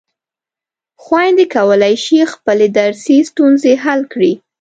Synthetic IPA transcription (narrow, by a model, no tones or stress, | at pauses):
xwajnd̪ekawəlajʃixpəled̪aɾsist̪unzeɦalkɽi